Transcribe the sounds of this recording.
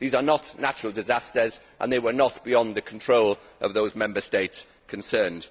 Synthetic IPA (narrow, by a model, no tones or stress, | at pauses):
ðiːzənəʔnat͡ʃəɹəlˠdɪzastəz | ʔə̰̃nðeɪwənəʔb̥ɪjɒ̃nðəkʰə̃ntʰɹ̥oʊl | ʔə̰vðoʊzmɛ̃mbəsteɪts | kʰə̃nsɜːnd̥